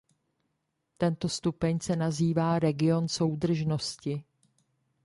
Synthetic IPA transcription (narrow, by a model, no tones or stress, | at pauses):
t̪ɛnt̪o̞st̪upɛɲsɛnaziːvaːɾɛɡɪo̞nso̞wd̪r̩ʒno̞scɪ